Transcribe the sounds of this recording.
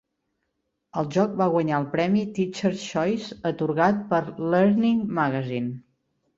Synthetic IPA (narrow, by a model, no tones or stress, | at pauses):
əlˠʒɔk̚baɣwəɲaəlˠpɾɛmit̪it͡ʃəɾʃɔjzət̪uɾɣat̪̚pəɾləɾniŋmaɣəzin